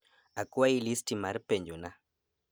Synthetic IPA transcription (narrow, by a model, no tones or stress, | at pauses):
akuwailistimaɾpeɲd͡ʒuna